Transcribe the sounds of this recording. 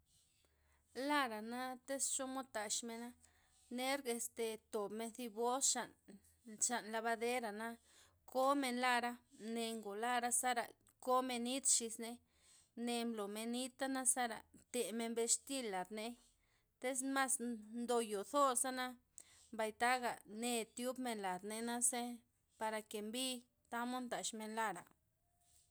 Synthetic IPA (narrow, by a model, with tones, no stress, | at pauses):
la˦ɾa˨na˦t̪e˦st͡ʃo˦mo˦t̪a˨ʃme˧na˦ | ne˦ɾɡe˧st̪e˧t̪o˨bme˧nθi˧bo˦sʃa˨n | ʃa˨nla˧βa˧d̪e˦ɾa˨na˦ | ko˦me˧nla˦ɾa˧ne˧ŋɡo˨la˦ɾa˦sa˦ɾa̰˨ | ko˦me˧ni˦t̪ʃi˧sne˧ | ne˧mblo˨me˧ni˦t̪a˦na˦sa˦ɾa̰˨t̪e˨me˧nbe˧ʂt̪i˦lːa˨d̪ne˧ | t̪e˦sma˦snd̪o˧jo˨θo˦ɾsa˦na˦ | mba˧jt̪a˦ɡa˨ne˧t̪ju˦bme˧nla˨d̪ne˧na˦se˦ | pa˧ɾa˧ke˨mbi˦ | t̪a˦mo˦nd̪a˨ʃme˧nla˧ɾa̰˨